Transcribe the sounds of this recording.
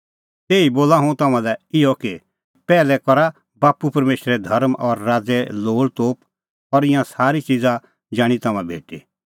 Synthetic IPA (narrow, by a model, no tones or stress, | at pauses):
t̪eːiboːlaɦũt̪ɐmãlɛɪɔki | pɛːlɛkɔɾa | baːpupɐɾmeːʃɾɛd̪ʱɐɾmʔɔɾːaːd͡zɛloːɽt̪oːp | ɔɾɪjãsaːɾit͡ʃid͡za | d͡ʒaːɽ̃it̪ɐmãbʱḛːʈḭ